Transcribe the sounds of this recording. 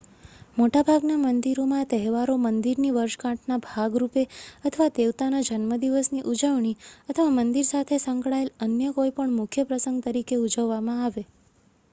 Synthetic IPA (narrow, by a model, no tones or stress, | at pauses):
moʈabʱaɡnamənd̪iɾomãt̪əɦɛʋaɾomənd̪iɾniʋəɾʃkãʈʰnabʱaɡɾupeət̪ʰəʋad̪eʋt̪anad͡ʒənməd̪iʋəsniʔud͡ʒəʋɳiət̪ʰəʋamənd̪iɾsat̪ʰesə̃ŋkɭaelənjəkoipəɳmʊkʰjəpɾəsəŋɡ̚t̪əɾikeud͡ʒəʋːamãaʋe